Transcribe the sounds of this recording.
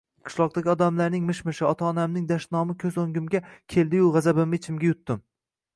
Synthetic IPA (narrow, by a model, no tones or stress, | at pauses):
qʰɨ̥ʃlˠɒq̚d̪aɡʲɪɒd̪amlaɾnɪŋmɪʃmɪʃɪɒt̪ʰaɒnamnɪŋd̪aʃt̪nɒmɪkʲʰɵzoŋɡʲɪmɡʲakʲʰe̞ld̪ɪjʊʁazabɪmɪet͡ʃʰɪmɡʲajʊt̪ːɪm